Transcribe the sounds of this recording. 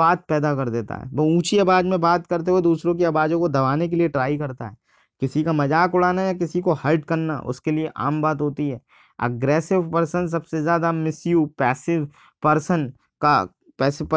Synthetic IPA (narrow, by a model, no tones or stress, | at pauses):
aːt̪̚pɛːd̪akɐɾd̪eːt̪a̰ɦɛ̰ːbɐũːt͡ʃiɐbaːd͡ʒmẽbaːt̪kɐɾt̪̬eɦed̪uːsɾõk̬iɐbaːd͡ʒõkod̪ɐʋaːnek̬elieʈɾaːikɐɾt̪a̰ɦɛː | kɪsikamɐd͡ʒaːkʊɽaːnajakɪsikohɐɪʈkɐɾna̰ʔʊ̰skelieʔa̰ːmbaːt̪ɦoːt̪iɦɛː | ə̰ɡɾɛːsɪʋpɐɾsəns̬ɐbsezjaːd̪amɪsjupɛːsɪʋ | pɐɾsən | ka | pɛːsɪ